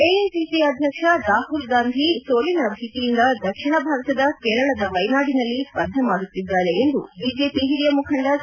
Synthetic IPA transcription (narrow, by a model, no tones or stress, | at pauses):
eːensiːsiɐd̪ʱjɐkʂɐɾaːhulɡaːnd̪ʱisoːlinɐbʱiːt̪ijind̪ɐd̪ɐkʂiɳɐbʱaːɾɐt̪ɐd̪ɐkeːɾɐɭɐd̪ɐʋɐjnaːɽinɐlːipɐd̪ʱːɐmaːɽut̪ːid̪ːaːɾeend̪ṵbiːd͡ʒeːpiɦiɾijɐmukʰɐɳɖɐ